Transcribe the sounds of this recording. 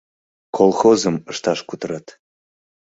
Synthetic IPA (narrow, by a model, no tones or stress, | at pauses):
kʰolˠxozəməʃt̪ɑʃkut̪ɤɾɑt̪